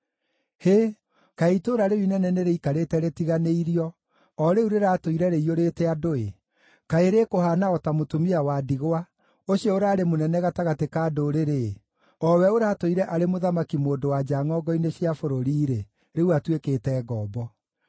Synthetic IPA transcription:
he | kaitoɾaɾewinɛnɛneɾeikaɾetɛɾetiɣaneiɾiɔ | ɔɾeuɾeɾatoiɾɛɾeioɾetɛadoe | kaeɾekohanaɔtamotomiawadiɣoa | oɕiɔoɾaːɾemonɛnɛɣataɣatekaːdoːɾeɾe | ɔwɛoɾatoiɾɛʔaɾemoðamakimoːdowad͡ʑaːŋɔːɡɔineɕiafoɾoɾiːɾe | ɾeuatweketɛːɣɔːbɔ

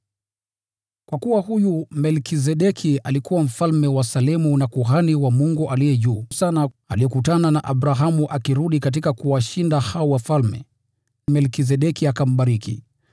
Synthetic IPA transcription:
kwakuwahujumɛlkis̬ɛɗɛkʰialikuwam̩falmɛwasalɛmunakuɦaniwamuŋɡuʔalijɛʄuːsana | aliɔkutananaʔaɓɾaɦamuʔakiɾuɗikat̬ikakuwaʃindahaɔwafalmɛ̰ | mɛlkis̬ɛɗɛkiakam̩ɓaɾikḭ

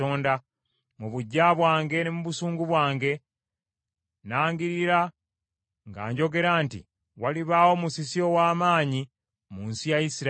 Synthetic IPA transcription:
oːnda | muβuɟːaβwaːŋɡe̞nemuβusuːŋɡuβwaːŋɡe̞ | naːŋɡiɾiɾa | ŋɡa̰ːɲɟo̞ɡe̞ɾaːntḭ | waliβaːwo̞musisio̞waːmaːɲi | muːnsijajisiɾ

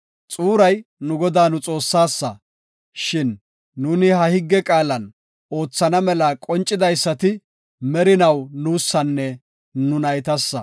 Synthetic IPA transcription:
t͡sʼuːɾɐjnʊɡɔd̪aːnʊt͡sʼo̞ːsːaːsːɐ̰ | ʃɪnː | uːnɪhɐhɪɡːɛkʼaːlɐn | o̞ːt͡sːɐnɐmɛlɐkʼɔnt͡ʃʼːɪd̪ɐjsːɐt̪ɪ | mɛɾɪnɐwnuːsːɐnːɛ | nʊnɐjt̪ɐsːɐ̰

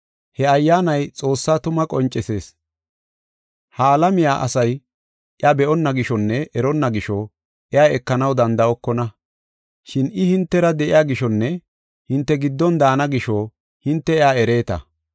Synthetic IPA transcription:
hɛɐjːaːnɐjt͡sʼo̞ːsːaːt̪ʊmɐkʼɔnt͡ʃʼːɛse̞ːs | haːlɐmɪjaːʔɐ̰sɐj | ʔjɐbɛʔɔnːɐɡɪʃɔnːɛʔɛɾɔnːɐɡɪʃɔ | ʔɛaːɛkːɐnɐwd̪ɐnd̪ɐɔkːɔnɐ | ʃɪnɪhɪnt̪ːɛɾɐd̪ɛʔɪjaːɡɪʃɔnːɛ | hɪnt̪ːɛɡɪd̪ːɔnd̪aːnɐɡɪʃɔ | hɪnt̪ːɛɛaːɛɾe̞ːt̪ɐ̰

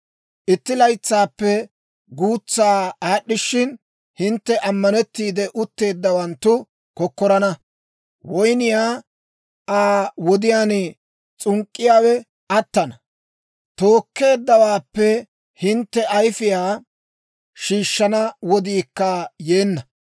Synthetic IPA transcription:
ʔɪt̪ːɪlɐjt͡sːaːpːɛ | ɡuːt͡sːaːaːɗːɪʃːɪn | hɪnt̪ːɛʔɐmːɐnɛt̪ːiːd̪ɛʔʊt̪ːe̞ːd̪ːɐwɐnt̪ːʊ | kɔkːɔɾɐnɐ | wɔjnɪjaː | ʔaːwɔd̪ɪjaːnɛ | t͡sʼʊŋkʼːɪjaːwɛ | ɐt̪ːɐnɐ | t̪o̞ːkːe̞ːd̪ːɐwaːpːɛ | hɪnt̪ːɛʔɐjfɪjaː | ʃiːʃːɐnɐwɔd̪iːkːɐje̞ːnːɐ

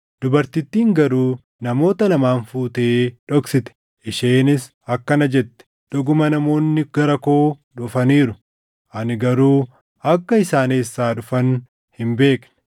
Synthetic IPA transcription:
d̪̥ʊbɐɾt̪ɪt̪ːiːŋɡɐɾuː | nɐmo̞ːt̪ɐlɐmaːnfuːt̪eːᶑɔksɪt̪ɛ̥ | ʔɪʃeːnɪs | ɐkːɐnɐd͡ʒɛt̪ːɛ̥ | ᶑ̪ɔɡʊmɐnɐmo̞ːnːɪɡ̥ɐɾɐko̞ː | ᶑʊfɐniːɾʊ | ʔɐnɪɡɐɾuː | ɐkːɐɪsaːneːsːaːᶑʊfɐn | hɪmbe̞ːknɛ̥

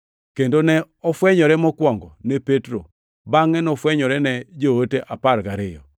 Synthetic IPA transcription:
kendonɛ | ɔfwɛɲɔɾɛmɔkwɔŋɡɔnɛpetɾo | baŋɛnɔfwɛɲɔɾɛnɛd͡ʒooteʔapaɾɡaɾɪjɔ̰

